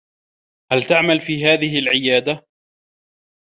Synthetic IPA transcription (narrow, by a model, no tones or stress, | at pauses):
halt̪aʕmalfiːɦaːðɪɦɪlʕɪjaːd̪a